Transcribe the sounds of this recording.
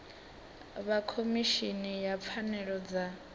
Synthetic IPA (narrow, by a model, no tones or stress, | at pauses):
βakʰomiʃinijap̪fʰanɛɺɔd͡za